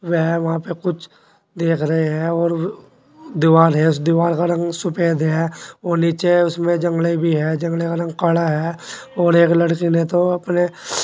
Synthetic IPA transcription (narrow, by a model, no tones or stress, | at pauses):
ʋɛɦʋɐɦãpekʊt͡ʃʰ | d̪eːkʰɾɐɦeɦɛ̃ɔːɾ | d̪ɪʋaːɾɦɛ̃ʊsd̪ɪʋaːɾkaɾɐ̃ŋɡsʊpeːd̪ɦɛoːniːt͡ʃeʊsmẽd͡ʒɐ̃ŋɡlebʱiɦɛːd͡ʒɐ̃ŋɡlekaɾɐ̃ŋɡ̚kɐɽaɦɛːɔːɾeːklɐɽkinet̪oɐpne